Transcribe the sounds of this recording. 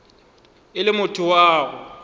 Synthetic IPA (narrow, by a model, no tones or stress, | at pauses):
ɪlɪmʊtʰʊwaːɣʊ